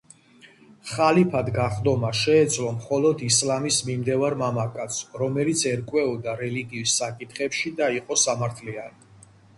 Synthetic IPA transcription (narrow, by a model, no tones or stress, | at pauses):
χalipʰad̪ɡaχd̪ɔmaʃɛːd̪zlɔmχɔlɔd̪islamismimd̪ɛvaɾmamakʼat̪sʰɾɔmɛlit̪sʰɛɾkʼwɛɔd̪aɾɛliɡiːsːakʼit̪ʰχɛpʃid̪aiqʼɔsamaɾt̪ʰliani